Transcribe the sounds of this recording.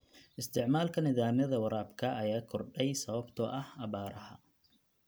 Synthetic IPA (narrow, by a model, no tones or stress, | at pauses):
ʔɪst̪ʰɪʕmaːlkʰɐnɪðaːmjɐðɐwɑɾaːbkʰɐʔɐjaːkʰɔrɖɛjsɐβɐbt̪ʰɔʔɐhɐβaːɾɐhɐ̰